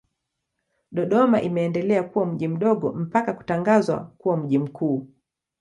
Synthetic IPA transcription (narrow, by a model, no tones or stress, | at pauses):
ɗɔɗɔmaʔimɛːndɛlɛakuwam̩ʄim̩ɗɔɠɔ̰m̩pakaku̥taŋɡazwa̰kuwam̩ʄim̩kʰuː